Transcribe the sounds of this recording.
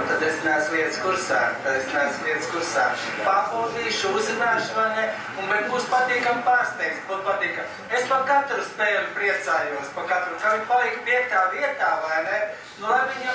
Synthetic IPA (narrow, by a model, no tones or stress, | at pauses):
t̪ad̪esnasliɛt̪skuɾsaːt̪ad̪esnaːsliɛt̪skuɾsaː | paxuːd̪iːʃuuzinaːʃʊʋajnɛ | unbɛt̪buːspat̪iːkampaːɾst̪ɛjk̪s̚but̪pat̪iːkam | espakat̪ɾuspɛːlʲupɾiɛt̪saːjuɔspakat̪ɾuk̪aviɲpalˠiɛkpiɛk̚t̪aːviɛt̪aːvajnɛ | nulˠajviɲ